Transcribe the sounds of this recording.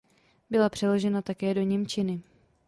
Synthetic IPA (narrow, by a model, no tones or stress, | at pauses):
bɪlapr̝̥ɛlo̞ʒɛnat̪akɛːdo̞ɲɛmt͡ʃɪnɪ